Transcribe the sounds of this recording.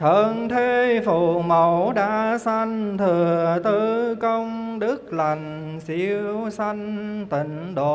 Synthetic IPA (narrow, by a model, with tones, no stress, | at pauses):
t̪ʰə˨˩nt̪ʰe˧fu˧˩mə˨˩wɗa̰ː˧˥sa˧jŋ̟t̪ʰɨ˨˩əət̪ɨ˧kə˧wŋ͡mɗɨ˦˥k̚la˨˩jŋ̟ | si˧˦əwsa˧jŋ̟t̪ï˧˨˩ŋ̟ɗo˧˨